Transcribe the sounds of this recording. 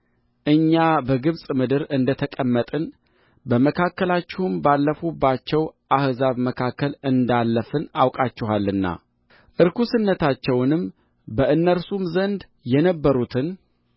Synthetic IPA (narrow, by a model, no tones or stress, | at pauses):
ʔɨɲːabəɡɨβsʼmɨd̪ɨɾɨnd̪ət̪ʰəkʼəmːət̪ʼɨn | bəməkʰakːəlat͡ʃːɛhmbalːəfubːat͡ʃːɛwʔahzaβməkʰakːəlɨnd̪alːəfɨnawkʼat͡ʃːɪhalːɨnːa̰ | ʔɨɾkʰusɨnːət̪ʰat͡ʃːɛwnɨm | bəʔɨnːəɾsumzənd̪ | jɛnəbːəɾut̪ʰɨn